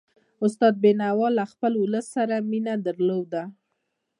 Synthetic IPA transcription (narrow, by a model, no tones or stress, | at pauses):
ʊst̪ɑd̪̚benawɑlaxpəlʊləsːaɾaminad̪əɾlowd̪a